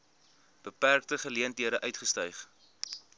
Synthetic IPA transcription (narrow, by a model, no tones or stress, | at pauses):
b̥əpærk̚təχəliəntɦiəɾəʔœɥtχəstœɥχ